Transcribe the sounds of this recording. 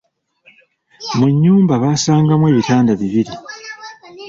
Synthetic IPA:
muɲːuːmbaβaːsaːŋɡamwe̞ːβitaːndaβiβiɾi

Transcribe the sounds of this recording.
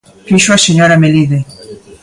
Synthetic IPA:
fiʃoaseɲoɾameliðe

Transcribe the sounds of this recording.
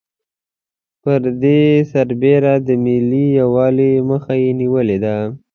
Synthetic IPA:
pəɾd̪esaɾbeɾad̪əmilijawɑleməxajeniwəled̪a

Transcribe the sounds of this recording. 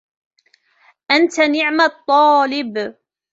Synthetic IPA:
ʔant̪anɪʕmat̪ˤːɑːlɪb

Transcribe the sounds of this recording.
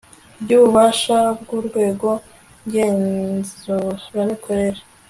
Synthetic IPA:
bɟuːβuβaʃabɡuɾɡwe̞ːɡo̞ | ɡeːnzuɾanikʰoɾe̞ɾa

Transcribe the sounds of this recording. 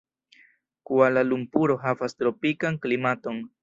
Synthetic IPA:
kualalumpuɾo̞ɦavastɾo̞pikaŋklimato̞n

